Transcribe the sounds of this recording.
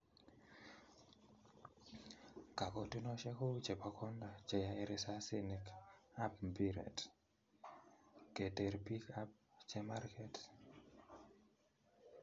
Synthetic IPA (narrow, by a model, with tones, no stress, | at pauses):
ka˨kɔ˦ti˦nɔ˦ʃɛ˦ko˦t͡ʃɛ˨pa˨kʰɔ˦nda˨t͡ʃɛ˨ja˨e˦ɾɪ˨sa˦si˦ni˨ka˦p̚mbi˦ɾɛ̰˨t | ke˨te˨ɾpi˦ka˦p̚t͡ʃɛ˦ma˦rkɛ˨t